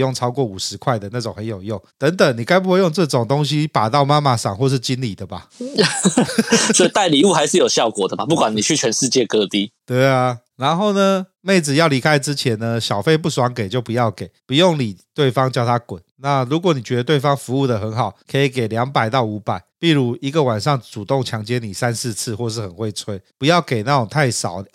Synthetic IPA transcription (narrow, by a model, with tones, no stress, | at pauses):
jo˥˩ŋʈ͡ʂʰɑ˥ʊkwɔ˥˩u˨˩ʂɻ̩˧˦kʰwa˥˩ɪd̪ə˨na˥˩ʈ͡ʂo˨˩ŋhə˧˦njo˨˩jo˥˩ŋt̪ə˧˦˥ŋt̪ə˨˩˦ŋni˨˩ka˥ɪp̬u˧˦xwe˥˧ɪjo˥˧ŋʈ͡ʂɤ˥˧ʈ͡ʂɔ˨˩ŋt̪o˦ŋɕi˦pa˨˩t̪ɑ˥˩ʊma˥ma˨ʂɑ̰˨˩ŋxwɔ˥˧ʂ̬ɻ̩˥˩t͡ɕi˦˥nli˨˩d̪ə˩ba˨ | swɔ˧˥i˨˩t̪a˥˩ɪli˨u˥˩xa˧˦ɪʂɻ̩˥˨jo˨˩ɕjɑ˥˨ʊkwɔ˨˩d̪ə˩ba˨pu˥˩kwa˨˦ni˨˩y˥˩t͡ɕʰɥɛ˧˦nʂɻ̩˥˧t͡ɕjɛ˥˨kɤ˥˦t̪i˦t̪we˥˩ɪa˨ | ɻa˧˥nxo˥˩ʊnə˨ | me˥˩ɪd͡zɹ̩˨˩jɑ˥˩ʊli˧˥kʰa˦ɪʈ͡ʂɻ̩˦t͡ɕʰjɛ˧˥nnə˧ɕjɑ˨˩ʊfe˥˧ɪp̬u˥˩swa˧˥ŋke˨˩ɪt͡ɕjo˥˩pu˧˦jɑ˥˩ʊke˨˩ɪpu˧˦jo˥˩ŋni˨˩t̪we˥˩ɪfɑ˦ŋt͡ɕjɑ˥˧ʊt̪ʰa˦kwə˨˩˦nna˥˨ɻu˧˥kwɔ˨˦ni˨˩t͡ɕɥɛ˧˦d̪ə˧t̪we˥˩ɪfɑ˦ŋfu˧˦u˥˩d̪ə˨xə˧˦nxɑ˨˩˦ʊkʰə˧˥i˨˩ke˨˩ɪljɑ˧˥ŋpa˨˩ɪt̪ɑ˥˩ʊu˧˥pa˨˩˦ɪpi˥˩ɻu˧˥i˧˥ɡə˧˨wa˨˩nʂɑ˥˩ŋt͡su˨˩t̪o˥˨ŋt͡ɕʰjɑ˧˦˥ŋt͡ɕjɛ˦˥ni˨˩sa˦nsɹ̩˥˧t͡s̩ʰ˥˧xwɔ˥˧ʂ̬̩˥˩xə˨˩nxwe˥˩ɪt͡sʰwe˥ɪpu˧˦jɑ˥˩ʊke˨˩ɪna˥˩ʈ͡ʂʊ˨˩ŋt̪ʰa˥˩ɪʂɑ˨˩˦ʊ